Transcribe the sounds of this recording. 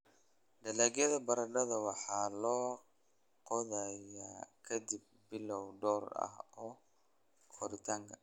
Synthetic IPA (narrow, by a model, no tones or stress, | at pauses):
d̪ɐlaːɡjɐðɐbɐɾɐɖɐðɐwɑħɑːlɔː | qɔðɛjaːkʰɐd̪ɪb̚ | bɪlɔwɖɔːrɐ̰hɔː | kʰɔɾɪt̪ʰɐŋkʰɐ